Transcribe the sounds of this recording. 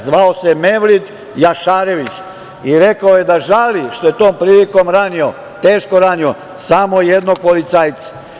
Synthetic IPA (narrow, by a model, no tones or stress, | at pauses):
zʋaose̞me̞ʋlid̪ | jaʃaːɾe̞ʋit͡ɕ | iɾe̞kaojed̪aʒaliʃt̪o̞jet̪o̞ːmpɾiːliko̞mɾanio̞ | t̪e̞ːʃko̞ɾaːnio̞ | samojed̪no̞ɡ̚polit̪saːjt̪se̥